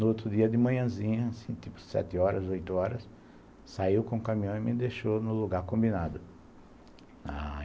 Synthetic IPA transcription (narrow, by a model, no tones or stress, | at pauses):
nʊot̪ɾʊd̪iɐd̪ɪmɐ̃ɲɐ̃zĩɲɐsĩt̪ipʊ̥sɛ̰t̪ɪɔɾɐzojt̪ʊɔɾɐs | saiwkõkãmĩɐ̃w̃ɪmɪd̪eʃonʊluɡaɾkõmbinad̪ʊ | a̰